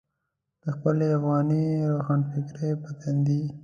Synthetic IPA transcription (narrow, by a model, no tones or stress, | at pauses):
d̪̥əxpəleafɣɑniɾoxɑːnfɪkɾejpat̪and̪i